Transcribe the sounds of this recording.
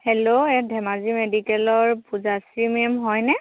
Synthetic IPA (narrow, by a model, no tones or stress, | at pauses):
hɛloɛdʱɛmazimedikɛlɔɹpuzasɹimemɦɔjnɛ